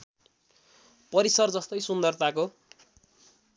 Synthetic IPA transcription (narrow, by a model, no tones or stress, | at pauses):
pʌɾisʌrd͡zʌst̪ʌjsund̪ʌrt̪ako